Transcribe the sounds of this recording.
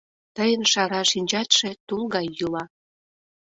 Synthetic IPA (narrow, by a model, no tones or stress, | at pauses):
t̪əjənʃɑɾɑʃinʲt͡ɕɑt̪ʃĕt̪ulˠɣɑjːulɑ